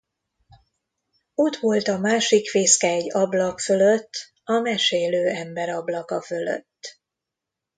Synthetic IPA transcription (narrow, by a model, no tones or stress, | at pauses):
o̞t̪ʋo̞lt̪ɒmaːʃikfeːskɛɛɟːɒblɒkfø̞løt̪ː | ɒmɛʃeːløːɛmbɛɾɒblɒkɒfølø̰t̪ː